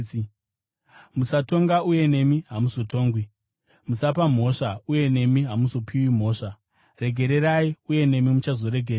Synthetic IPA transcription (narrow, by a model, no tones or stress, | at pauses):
musato̞ŋɡauje̞ne̞miɦamuso̞to̞ːŋɡwi | musapam̤o̞ʂauje̞ne̞miɦamuso̞pʰiwim̤o̞ːʂa | re̞ɡʱe̞ɾe̞ɾaiuje̞ne̞mimut͡ʃazo̞ɾe̞ɡʱeɾa